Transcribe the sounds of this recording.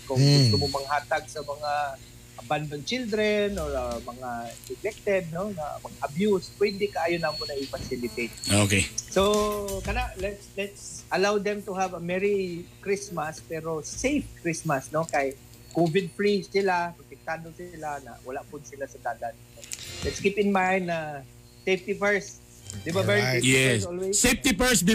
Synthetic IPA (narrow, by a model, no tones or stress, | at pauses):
kʊŋɡʊst̪ʊmomaŋhaːt̪aɡ̚samɐŋa | ʔaband̪ont͡ʃɪld̪ɾɛnɔɹamɐŋasɪɡlɛk̚t̪ɛd̪̚nona̰mɐŋaʔabjuspwɛd̪ɪkaʔaːjʊnamʊnaɪfasɪlɪt̪et̪̚okesokɐnaʔlɛt̪slɛt̪sɐlawd̪ɛmt̪uɦavəmɛɹikɹɪsmaspɛɾosejfkɹɪsmasnokaj | kovɪd̪̚pɹissɪlapot̪ɛk̚t̪ad̪osɪlana̰wɐlaʔpʊd̪sɪlasɐd̪aːd̪annolɛt̪skipɪ̃nmãj̃nd̪̚na | seft̪ifɛɹs | d̪ɪbamɛɹiɹiɛɛsolweseft̪ifɛɹsdɪ